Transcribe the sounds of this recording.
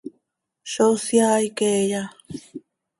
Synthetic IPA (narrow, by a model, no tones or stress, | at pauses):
ʃosjaikeja